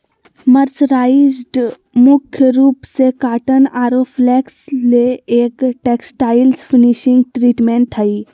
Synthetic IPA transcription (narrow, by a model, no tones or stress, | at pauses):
məɾt͡ʃɾaːizɖ | mʊkʰjəɾuːpsekaːʈənaːɾoflɛːksleeːkʈeːksʈaːɪlsfʰiniʃɪ̃ŋɡ̚ʈɾiːʈmẽːɳʈʰɦəi